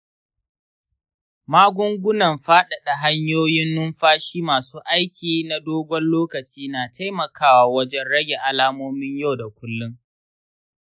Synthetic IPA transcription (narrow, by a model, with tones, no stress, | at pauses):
maː˦ɡʷʊ˦ŋɡʷʊ˦nɐ˨mɸaː˦ɗɐ˨ɗa˨ɦa˦ɲjoː˦jɪ˦nːʊ˦mɸaː˦ʃiː˦maː˨suː˦ʔa˦jkʲiː˨na˨doː˦ɡʷɔ˦nloː˦kɐ˨t͡ʃiː˦naː˨tʰa˦jmɐ˨kʰaː˦waː˨wɐ˦d͡ʒɛ˦nɽɐ˦ɡʲe˨ʔa˨laː˦moː˦mɪ˦ɲja˦˨wda˨kʷʊ˦lːʊ˦ŋ